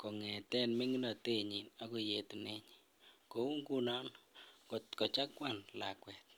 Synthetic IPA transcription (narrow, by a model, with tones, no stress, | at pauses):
kɔ˨ŋɛ˨tɛ˦nmi˦ŋi˦na˨te˦ɲi˨na˦ku˨je˨tu˨nɛ˦ɲi̥ | ko˨˦u˦ŋku˦nɔ˦nkɔ˨tkɔ˨t͡ʃa˦kwa˨nla̰˨kwɛ˨t̪̚